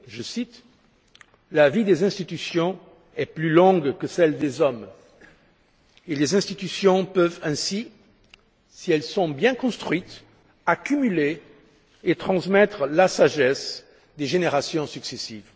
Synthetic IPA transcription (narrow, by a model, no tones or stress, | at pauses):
ʒəsit̪ | lavid̪ezɛ̃st̪it̪ysjɔ̃ | ɛplylɔ̃ɡkəsɛld̪ezɔm | elezɛ̃st̪it̪ysjɔ̃pœvɛ̃si | siɛlsɔ̃bjɛ̃kɔ̃st̪χɥit̪ | akymyle | et̪χɑ̃smɛt̪χəlasaʒɛs | d̪eʒeneʁasjɔ̃syksesiv